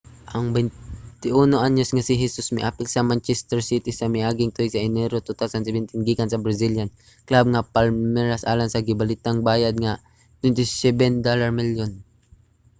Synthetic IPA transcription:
ʔɐŋbɛnt̪ɪʔunoʔaɲosŋasɪɦɛsʊsmɪʔaːpɪlsɐmant͡ʃɛst̪ɛɹsit̪isɐmɪʔaːɡɪŋt̪ʊjsɐʔɪnɛɾot̪ut̪awsans̬ɛbɛnt̪ɪnɡikansɐbɾɐsiljan | klab̚ŋapalmɛɹasʔaːlansɐɡɪbalɪt̪aŋbaːjad̪̚ŋa | t̪wɛnt̪ɪsɛbɛnd̪olaɹmiljon

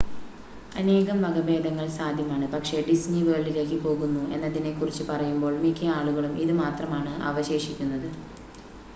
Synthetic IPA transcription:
ɐne̞ːɣɐmʋɐɡɐbe̞ːd̪ɐŋːɐɭsaːd̪ʱjɐmaːɳɨpɐkʂe̞ɖisniʋeːɭile̞ːkːɨpo̞ːɣunːue̞nːɐðine̞kːurit͡ɕːupɐrɐjumbo̞ːɭmikʲʰːɐaːɭuɣɐɭumiðɨmaːt̪rɐmaːɳɨɐ̰ʋɐɕe̞ːʂikʲːunːɐðɨ

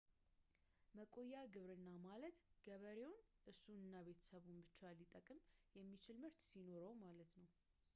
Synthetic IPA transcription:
məkʼo̞jːaɡɨβɾɨnːamalət̪ɡ̥əβəɾe̞wʊnʔɨsunɨnːaβe̞t̪ʰə̥səβunbɨt͡ʃːalːit̪ʼəkʼɨmjɛmːit͡ʃʰɪlmɨɾt̪sino̞ɾəwmalət̪nəw

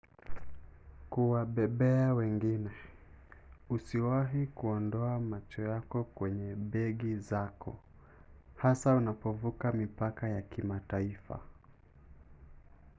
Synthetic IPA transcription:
kuwaɓɛɓɛawɛŋɡinɛ | usiwaɦikuɔndɔamat͡ʃɔjakɔkwɛɲɛɓɛɠizakʰɔ̰ | hasaunapɔvukamipakajakimataifa̰

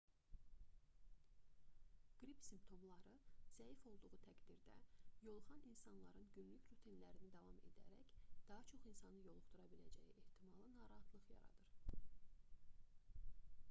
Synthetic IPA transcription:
ɡ̥ɾipsimpt̪ʰo̞mlˠɑɾɯz̥æifo̞lˠd̪uʁut̪ʰæɡd̪iɾd̪æ̰jo̞lˠχɑnʔinsɑnlˠɑɾɯnɟynlycɾut̪ʰinlæɾinid̪ɑvɑme̞̰d̪æ̰ɾæ̰çd̪̥ɑɦɑt͡ʃʰo̞χinsɑnɯjo̞lˠuχt̪uɾɑbilæ̰d͡ʒæ̰jiʔeht̪ʰimɑlˠɯnɑːɾɑhɑt̪ʰlˠɯχjɑ̰ɾɑ̰d̪̥ɯɾ̥

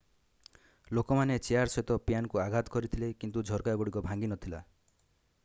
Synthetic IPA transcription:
lokɔmanet͡ʃeaɾsɔt̪ɔpjanɔkuaɡʱat̪ɔ̥kɔɾit̪ʰilekint̪ud͡ʒʱɔɾkaɡuɽikɔbʱaŋɡinɔt̪ʰila

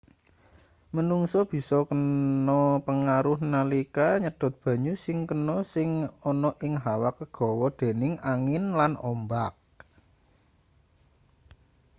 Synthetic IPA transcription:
mənuŋsɔb̥i̤sɔkənɔpəŋaɾʊhnalikaɲəd̥ɔ̤t̪̚b̥ä̤ɲusɪŋkənɔsɪŋɔnɔʔɪŋɦawakəɡ̥ɔ̤wɔd̪̥e̤nɪŋaŋɪnlanɔ̰mbak̚

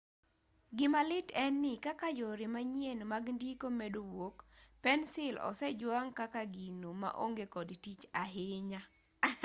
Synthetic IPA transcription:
ɡɪmalɪtɛnːɪkakajoɾimaɲjenmaɡndikomedowokpɛnsɪlɔ̰sɛd͡ʒwaŋkakaɡinoma̰ʔo̰ŋɡekɔdtit͡ʃaɦɪɲa

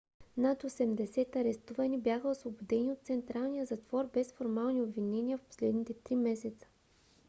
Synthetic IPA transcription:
nat̪osɛmd̪ɛsɛt̪ɐɾɛst̪uvɐnibjaxəosvobod̪ɛniot̪̚t̪sɛnt̪ɾalˠnijəzɐt̪vɔɾbɛsfoɾmalˠniobvinɛniəfpo̥slɛd̪nit̪ɛt̪ɾimɛsɛt̪sə̥

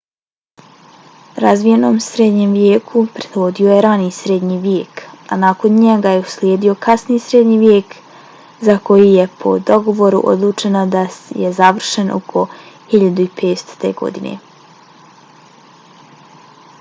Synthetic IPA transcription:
ɾazʋije̞no̞ːmsɾed̪ɲemʋjeːkʰupɾed̪od̪io̞jeɾaniːsɾed̪ɲiʋjeːkanako̞nɲeɡajeuslʲjeːd̪io̞kasniːsɾed̪ɲiːʋjeːk | zako̞jije̞pʰo̞̰d̪o̞ɡo̞ʋo̞ɾṵʔo̰d̪lˠuːt͡ʃe̞nod̪ajḛzaʋr̩ʃenʔo̰kʰohiʎad̪uipeːst̪o̥t̪e̞̰ɡo̞̰d̪ine̞̰

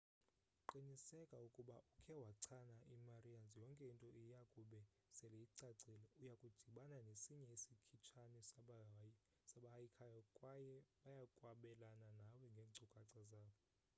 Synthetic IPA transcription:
ǃinisɛkʼaukʼuɓaʔukʰɛwaǀʰanaʔimarianzijɔŋkʼɛintʼɔʔijakʼuɓɛ | sɛlɛiǀaǀilɛujakʼud̥ʱiɓananesiɲɛisikʰit͡ʃʰanis | saɓahajikʰajɔkʼwajɛɓajakʼwaɓɛlananawɛŋɡʱeːŋ͡ǀʱukʼaǀazaːkɔ

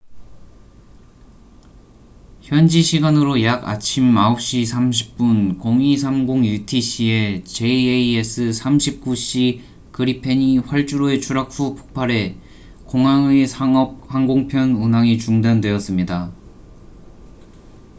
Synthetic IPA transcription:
çjʌnd͡ʑiɕʰiɡanɯɾojaɡa̰t͡ɕʰimːaop̚ɕ͈isʰamɕ̬ʰi̥p̚p͈unkoŋisʰamɡoŋjutʰiɕʰie̞t͡ɕe̞eies͈ʰɯsʰamɕʰip̚k͈uɕ͈i | kɯɾipʰe̞ɲiɸwaɭt͡ɕ͈uɾoe̞t͡ɕʰuɾak̚fupʰo̥k̚pʰaɾe̞ | koŋaŋeaʌp̚haŋɡoŋpʰjʌnunaŋit͡ɕuŋdandwe̞ʌs͈ɯmɲida

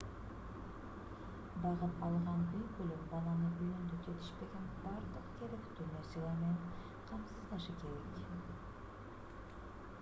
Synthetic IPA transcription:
bɑʁəpɑlˠʁɑnbijkʲʰɵlɪpbɑlˠɑnəʔʊjɪnd̪ɪkʲʰet̪ʰɪ̥ʃpe̞ɡʲe̞nbɑɾd̪əqkʲʰeɾɪkt̪ʰʏɾnesijlˠɑɾme̞n | qʰɑmsəzd̪ɑʃɪkʲʰe̞ɾek

